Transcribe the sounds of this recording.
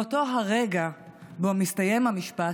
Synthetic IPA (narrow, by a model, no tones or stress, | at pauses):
oto̞ɦaʁe̞ɡabo̞mistaje̞mamiʃpa